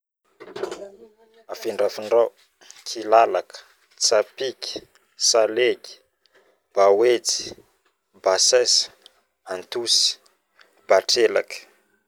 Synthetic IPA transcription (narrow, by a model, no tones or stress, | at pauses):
afiɳɖ͡ʐafiɳɖ͡ʐaw | kʰilalakə̥ | t͡sapikʲi̥ | salekʲi̥ | b̥awet͡si̥ | basɛsə̥ | ant̪usi̥ | b̥aʈ͡ʂela̰kə̥